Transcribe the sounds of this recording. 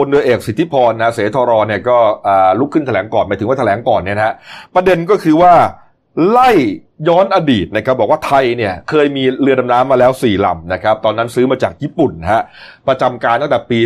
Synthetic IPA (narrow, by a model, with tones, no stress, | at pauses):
o˧ndɯ˧əʔeː˨˩k̚si˨˦t̪ʰːi˦˥pʰɔː˧nː˧ɦa˦˥seː˩˦t̪ʰɔː˧ɾɔː˧ni˥˩ɐkɔː˥˩ʔaː˨˩lu˦˥kʰːɯ˥˩nt̪ʰa˧lɛː˩˦ŋkɔː˨˩nmaː˨˦t̪ʰɯ˩˦wa˥˩t̪ʰlɛː˩˦ŋkɔː˨˩nːi˥˩ɐ˧ɦa˦˥ʔpɾa˧de˧nk̬ɔː˥˩kʰɯː˧waː˥˩ | la˥˩j | jɔː˦˥nʔa˧diː˨˩t̪̚na˦˥kʰa˦˥bɔː˨˩k̚waː˥˩t̪ʰa˧jni˥˩ɐkʰɤː˧jmiː˧lɯ˧əna˧mnaː˦˥mːaː˧lɛː˦˥wsiː˨˩la̰˨˩mna˦˥kʰa˦˥p̚t̪ɔː˧nːa˦˥nsɯː˦˥maː˧t͡ɕaː˨˩k̚jiː˥˩pu˨˩nː˦ɦa˦˥ʔpɾa˧t͡ɕa˧mkaː˧nt̪ʰa˥˩t̪ɛ˨˩piː˧